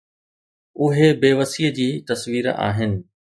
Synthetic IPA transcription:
ʊɦebeːʋəsiːəd͡ʑiːt̪ɐsʋiːɾa̰ːɦɪnɪ̆

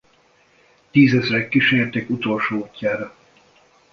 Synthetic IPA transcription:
t̪iːzɛzrɛkːiʃeːrt̪ekut̪o̞lʃoːocːaːɾɒ

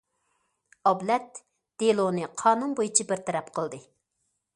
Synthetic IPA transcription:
ɑblɛt̪ | d̪̥elˠonɨqʰɑːnunbojut͡ʃʰibɪɾt̪ʰɛɾɛpqʰəlˠd̪ɨ

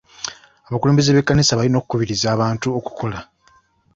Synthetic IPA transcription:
aβakule̞ːmbe̞zeβe̞kːanisaβalino̞kukuβiɾizaːβaːntuo̞ku̥kʰo̞la

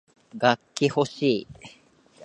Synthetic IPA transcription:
ɡakʲːihoɕiː

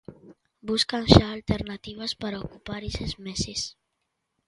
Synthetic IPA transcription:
buskanʃaːlt̪eɾnat̪iβ̞aspaɾaokupaɾesezmeses

